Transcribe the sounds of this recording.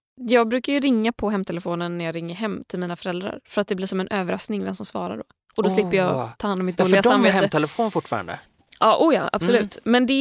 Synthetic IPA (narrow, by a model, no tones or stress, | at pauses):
jɑːɡ̚bɾʉ̟ːkaɾjɵɾɪŋːapʰɔɦɛmːt̪ʰɛləfoːnənːæɾjɑːɾɪŋːəɾɦɛmːt̪ʰɪlmiːnafœɾɛld̪ɾa̰ɾfœɾat̪̚d̪ɛblɪːʂɔmɛnʔøːvəɾasknɪŋvɛmsɔmsvɑ̰ːɾa̰ɖɔ̰ | ʔɔd̪ɔslɪpːəɾjɑːt̪ʰɑːhanːɔmɪt̪̚d̪oːlɡasamveːɛmət̪ʰɛlɛfoːnəfʊʈːfɑ̰ːɾa̰nd̪ə̰ | ʔɑːʔuːjɑ̰ːʔa̰b̥sɔlʉ̟ːt̪mɛnd̪ɛ